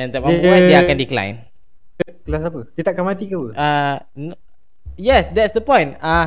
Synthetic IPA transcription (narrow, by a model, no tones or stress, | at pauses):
ɛ̃nt̪ɛpawãdeakãndiklã̰jn | klas̬apəpit̪akamat̪ikawəa | n | jɛsdɛtsdəpɔ̃jna